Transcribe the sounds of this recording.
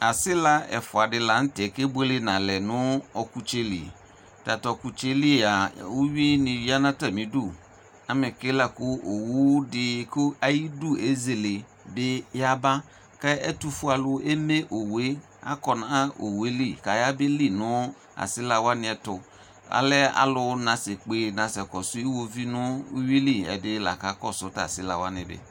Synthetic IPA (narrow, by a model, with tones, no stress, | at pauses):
a˨sɪ˦la˦ɛ̰˨fʊ˨a˨dɪ˨la˨n̩˦tɛ˨ke˦be˦le˦nã˨lɛ˨nʊ̃˦ɔ˨ku˨t͡ʃe˦lḭ˨ | ta˨tɔ˨ku˨t͡ʃe˦li˦˨a˨o˦ɥi˦nɪ̃˨wi˦a˦nã˦ta˨mĩ˨du˦˨ | a˨mɪ̃˨ke˦la˨kʊ˦o˨wu˦dɪ˦˨kʰo˦a˦ji˦du˦e˦ze˨le˨ | be˦ja˦ba˦ | ka˦ɛ˦tu˦fʊ˦a˨lʊ˦e˦me˦ʔo˨we˦ | a̰˦kɔ˨na˨˦o̰˨we˦li˦˨ka˨ja˦be˦li˦nʊ̃˦ | a̰˨sɪ˦la˨wa˦nɪ̃˨ɛ˨tʊ˨ | a̰˨lɛ˦a̰˨lʊ˦nã˨se˨k͡pe˨nã˨sɛ˨kɔ˨sʊ˦i˦wo˦vi˦nʊ˦u˦wi˦li˦˨ɛ̰˨dɪ˦la̰˨ka˨˦kɔ˦sʊ˨˦ta̰˨sɪ˦la˨wa˦nɪ̃˨bɛ̰˨